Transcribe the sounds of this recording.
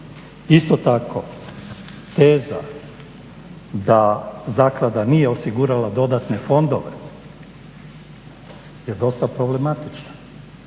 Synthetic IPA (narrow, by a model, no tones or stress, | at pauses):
ist̪ot̪akʰo̞ | t̪eːza̰ | d̪azaːklˠad̪anije̞osiɡuɾalad̪o̞d̪at̪ne̞fo̞nd̪oʋḛ | je̞d̪o̞st̪apɾo̞ble̞mat̪it͡ʃna